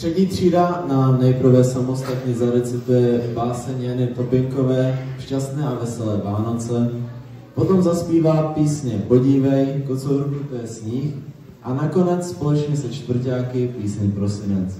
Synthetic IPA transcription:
t̪r̥ɛcɲiːt̪r̝̥iːdanamnɛjpɾ̩vɛsamost̪at̪ɲɛzaɾɛt͡sɪt̪ujɛbaːsɛɲjanɪt̪opɪŋkovɛːfʃcast̪nɛːʔavɛsɛlɛːvaːno̞t͡sɛ | pot̪o̞mzaspiːvaːpiːsɲɛpoɟiːvɛjkot͡soɦɾobnit̪ɛsɲix | ʔanako̞nɛt͡sspolɛt͡ʃɲɛsɛt͡ʃt̪vr̩caːkɪpiːsɲɛpɾosɪnɛt͡s

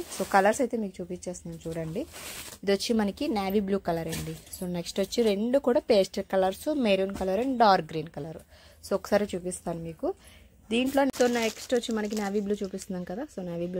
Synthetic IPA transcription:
so̞ːkɐlɐɾsɐjt̪eːmiːkut͡ʃuːpit͡ʃːe̞ːst̪nd̪ɐnt͡ʃuːɽɐɳɖiid̪iʋɐt͡ʃːimɐnɐkinaːʋiːbluːkɐlɐɾɐɳɖisoːneksʈʋot͡ʃːiɾe̞ɳɖukuːɽaːpe̞ːsʈɐkɐlɐɾsumeːɾunkɐlɐɾɐɳɖaːɾɡɾiːnkɐlɐɾu | soːɔkːɐ̥saːɾit͡ʃuːpist̪aːnumiːku | d̪iːɳʈlo̞ːt̪oːnɐeksʈʋot͡ʃːimɐnɐk̬injaːʋiːbluːt͡ʃuːpist̪und̪ːnkɐd̪aːso̞ːnaːʋiːbluː

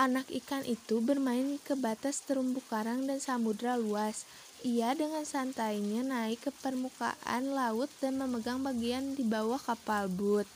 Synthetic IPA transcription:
ʔanakikanʔit̪ubərmaɪnikəbat̪ast̪əɾumbukaɾaŋdansamudɾaluas | ʔiadəŋansant̪aiɲanaɪkːəpərmuka̰ʔa̰nlaʊt̪̚danməməɡaŋbaɡiandibawahkapalbʊt̪̚

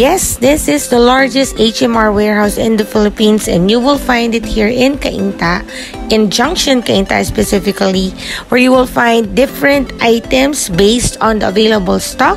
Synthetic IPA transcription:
jɛsd̪ɪsɪsd̪ɐlaɹd͡ʒɛst̪eɪt͡ʃɛ̃maɹwɛɹhaʊsɪ̰̃nd̪ɐfɪlɪpĩːnsɛ̰̃nd̪juwɪlfãjnd̪ɪt̪̚hiɹɪ̃nkɐʔḭnt̪a | ʔɪ̃nd͡ʒʌ̃ŋkʃɔ̃nkɐʔĩnt̪a̰spɛsɪfɪkali | wɛɹjuwɪlfãjnd̪̚ːɪfɛɹɛ̃nt̪ʔajt̪ɛ̃msbeɪst̪ɔ̃nd̪əɐ̰veɪlɐbəlst̪ɔk̚

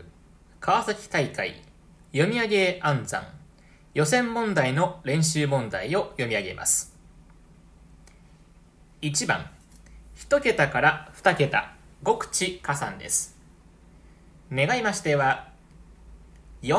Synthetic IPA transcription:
kʰaβasakʲi̥t̪aikaḭ | jo̞mʲiaɡe̞ãnd͡zã̰ŋ | jo̞sẽ̞mːõ̞nd̪aino̞ɾẽ̞ɰ̃ɕɨːmõ̞nd̪aio̞jo̞mʲiaɡe̞̰mʔa̰sɨ̥ | it͡ɕibã̰ŋçi̥t̪o̞ke̞t̪akaɾaɸɯ̟̥t̪ake̞t̪a̰ɡo̞kɯ̟̥t͡ɕikasã̰nd̪e̞̰sɨ̥ | ne̞ɡaimaɕi̥t̪e̞βa | jo

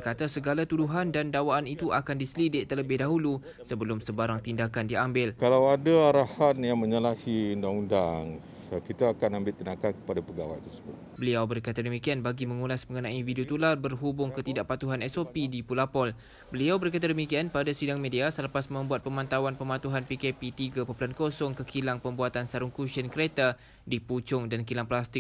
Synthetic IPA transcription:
bərkat̪asəɡalat̪uduɦandandawaʔːnit̪uʔakandisəlidɪʔt̪ələbɪhdaɦulu | səbəlʊmsəbaɾaŋt̪indakandiambɪlkalawadaaɾahanjaŋmə̃ɲəlahiundaŋundaŋ | kit̪aːkanãmbɪlt̪ənakankə̥padapəɡawa̰jt̪əsəbʊt̪̚bəliawbərkat̪adəmikianbaɡimə̃ŋulasməŋənãividiot̪ularbərɦubʊŋkət̪idaʔpat̪uɦanɛsopidipulapɔl | bəliawbərkat̪̬adəmikianpadasidaŋmediasələpasmə̃mbuat̪̚pəmãnt̪awanpəmãt̪uɦanpikepit̪iɡapopulankosɔŋkəkʰilaŋpəmbuat̪ansaɾʊŋkuʃənkəɾet̪a | diput͡ʃʊŋdankilaŋplast̪ɪk̚

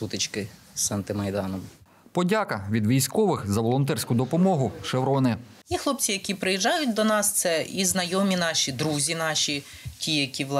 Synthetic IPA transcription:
ut̪ɪt͡ʃkɪ | sɐnt̪ɪmɐjd̪ɑnɔm | pɔdʲakɐʋʲid̪ʋʲijsʲkɔʋɪxzɐʋɔlˠɔnt̪ɛrsʲkʊd̪ɔpɔmɔɦʊʃewɾɔnɪ | ixlˠɔpt͡sʲijɐkʲipɾɪjiʒːɑjʊt̚ʲd̪ɔnɑst̪sɛiznɐjɔmʲinɑʃʲid̪ɾuzʲinɑʃʲi | tʲijɐkʲiʋlˠ

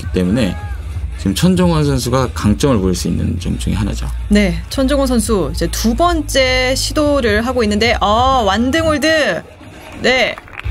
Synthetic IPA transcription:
k͈i̥t͈e̞mune̞ | t͡ɕiɡɯmt͡ɕʰʌnd͡ʑʌŋwʌnsʰʌnsʰuɡakaŋt͡ɕ͈ʌŋɯɭpoiɭs͈uinːɯ̰nt͡ɕʌmt͡ɕ͈uŋḭɦana̰d͡ʑo̰ne̞t͡ɕʰʌnd͡ʑʌŋwʌnsʰʌnsʰuid͡ʑe̞tubʌnt͡ɕ͈e̞ɕʰidoɾɯɾɦaɡoinːɯnde̞ʔʌwandɯŋuɭdɯ | ne̞

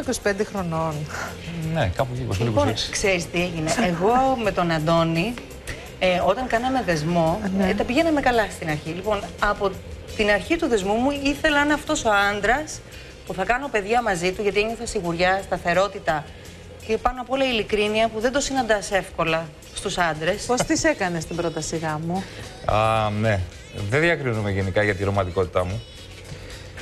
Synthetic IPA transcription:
ɐkosi̥pe̞nd̪exɾo̞no̞n | nḛkɐpuikosiiponkseɾist̪ieʝineːɣo̞me̞t̪o̞nɐnd̪o̞ni | o̞t̪ɐŋkɐnɐme̞ðe̞zmo̞t̪ɐpiʝe̞nɐme̞kɐlɐst̪inɐɾçilipo̞nɐpo̞t̪inɐɾçit̪uðe̞zmumuiθe̞lɐenɐft̪o̞so̞ɐnd̪ɾɐs | puθɐkɐno̞pe̞ðʝɐmɐzit̪uʝɐt̪ieɲoθɐsiɣuɾʝɐst̪ɐθe̞ɾo̞t̪it̪ɐ | cepɐnoɐpolɐilikɾiniɐpuðend̪o̞sinɐnd̪ɐse̞fko̞lɐ | st̪usɐnd̪ɾe̞spo̞st̪ise̞kɐne̞st̪ibɾo̞t̪ɐsiɣɐmuɐne | ðeðiɐkɾinumeʝenikɐʝɐt̪iɾo̞mɐt̪iko̞t̪i̥t̪ɐmu

